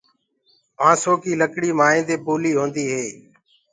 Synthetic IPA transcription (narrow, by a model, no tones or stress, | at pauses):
mãːsoːkiːləkɽiːmaːẽːnd̪eːpoːliːɦõːnd̪iːɦeː